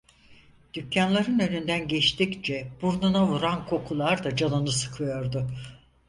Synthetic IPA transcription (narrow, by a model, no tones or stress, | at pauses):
d̪̥ycʰːanlˠaɾɯnø̞nynd̪ænɟɛt͡ʃt̪ʰict͡ʃʰɛb̥uɾnunavuɾankʰo̞kʰulˠaɾd̪ad͡ʒanɯnɯsɯ̥kʰɯjo̞ɾd̪ʊ